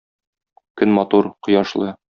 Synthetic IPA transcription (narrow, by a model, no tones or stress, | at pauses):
kɵnmɒt̪uɾqŏjɑʃlˠɤ